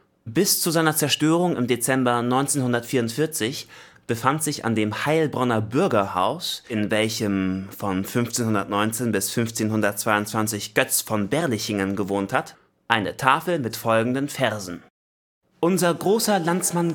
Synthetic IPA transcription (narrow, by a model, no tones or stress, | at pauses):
b̥ɪst͡suzaɪnɐt͡sɛɐʃtøːʁ̞ʊŋɪmdet͡sɛmbɐnɔʏnt͡seːnhʊndɐtfiːɐʊntfɪɐt͡sɪçb̥əfantz̥ɪça̰ndeːmhaɪlbʁɔnɐbʏɐɡɐha̰ʊsʔɪnvɛlçəmfɔnfʏnft͡seːnhʊndɐtnɔʏnt͡seːnbɪsfʏnft͡seːnhʊndɐt̚t͡sv̥aɪʊntt͡sv̥ant͡sɪçɡ̥œt͡sfɔnbɛɐlɪçɪŋənɡəvoːnthat | ʔaɪnə̰tʰaːfl̩mɪtfɔlɡŋ̩dənfɛɐzn̩ | ʔʊnzɐɡʁoːsɐlant͡sman